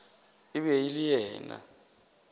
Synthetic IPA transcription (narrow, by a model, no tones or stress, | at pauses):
ɪβɛilijɛːna̰